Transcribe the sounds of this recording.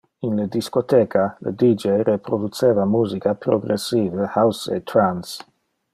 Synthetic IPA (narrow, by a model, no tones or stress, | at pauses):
inləd̪iskot̪eːkʰalə̰d̪id͡ʒejɾepɾod̪ut͡seːvamuːzikapɾoɡɾesːiːvəhawsḛt̪ɾans